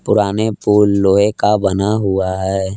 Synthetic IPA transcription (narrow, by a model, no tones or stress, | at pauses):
pʊɾaːnepuːlːoːekabɐnaɦuaɦɛː